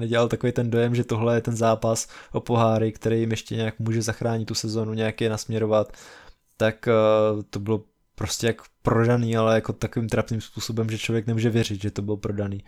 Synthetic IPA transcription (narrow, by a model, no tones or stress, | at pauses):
nɛɟɛlalt̪akovejt̪ɛndo̞jɛmʒɛt̪o̞ɦlɛjɛt̪ɛnzaːpasʔopo̞ɦaːɾɪkt̪ɛɾejɪmjɛʃcɛɲɛakmuːʒɛzaxɾaːɲɪt̪ːusɛzo̞ːnuɲɛjakjɛnasmɲɛɾo̞vat̪ː | akt̪o̞bɪlo̞ | pɾo̞scɛjakpɾodaniːalɛjako̞t̪akoviːmt̪ɾapniːmspuːso̞bɛmʒɛt͡ʃlo̞vjɛknɛmuːʒɛvjɛrɪt̪ʒɛt̪obɪlopɾo̞daniː